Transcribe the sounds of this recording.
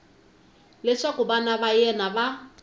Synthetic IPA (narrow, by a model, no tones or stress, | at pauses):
lɪʂakʊbanabajɛnaba